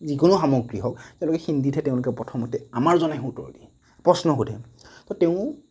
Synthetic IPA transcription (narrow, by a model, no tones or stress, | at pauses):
zikonʊxamɔɡɹiɦɔkteʊ̃lʊkɛxinditʰɛtɛʊ̃lʊkɛpɹɔtʰɔmɔtɛamaɹzɔnajxutɔ̰ɹdi | pɹɔsnɔɦudʰʱɛ̰tɔteʊ̃